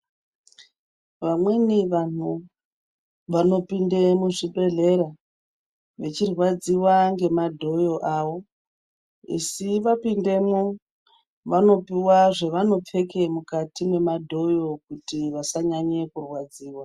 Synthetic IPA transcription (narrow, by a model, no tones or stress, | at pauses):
ʋamwe̞niʋan̤u | ʋano̞pindemuʐibʱe̞ɮe̞ɾa | ʋe̞t͡ʃirwad͡ziwaŋɡe̞madʱo̞jo̞ʔaːʋo̞ | ḭsiʋapinde̞mu | ʋano̞piwaʐe̞ʋano̞p͡fe̞ke̞mukatimwe̞madʱo̞jo̞kutiʋasaɲaɲe̞kurwad͡ziːwa